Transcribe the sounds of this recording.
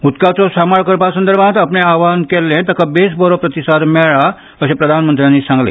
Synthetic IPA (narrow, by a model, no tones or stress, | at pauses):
ut̪kat͡sɔsamaɭkəɾpasənd̪əɾbʱat̪apnẽaʋankɛlːẽt̪əkabesbəɾopɾət̪isad̪mɛɭa | əɕẽpɾəd̪ʱanmənt̪ɾjãnːisãŋɡlḛ